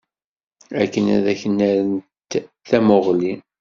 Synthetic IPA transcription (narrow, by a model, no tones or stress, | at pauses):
ækːənæ̰ðæçənːæɾənt̪ | θæmʊʁli